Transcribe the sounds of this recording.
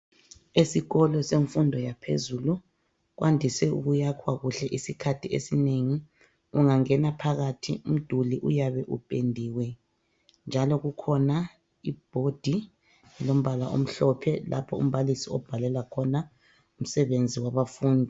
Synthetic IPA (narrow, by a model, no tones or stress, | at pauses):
esiɣɔlɔseɱfundʱɔjapʰḛzulu | ɣwʔandʱisɛṵɣujakʰwaɣuɬɛʔisikʰatʰiḛsineŋi | uŋaŋɛnapʰaɣatʰḭum̩d̥ʱuliʔujaβɛʔupʼendʱiwɛ | nd͡ʒʱalɔɣukʰɔna | ib̥ʱod̥ʱi | ɛlom̩βalaʔo̰m̩ɬɔpʰɛla̰pʰɔṵm̩βalisiɔb̥ʱalɛlakʰɔna | um̩sɛβend͡zʱiwaβafuːndʱi